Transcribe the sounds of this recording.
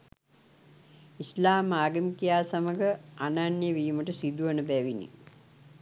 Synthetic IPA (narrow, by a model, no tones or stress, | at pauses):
islaːmaːɡəmikijaːsaməɡəananjəʋiːməʈəsid̪uʋənəbæʋinḭ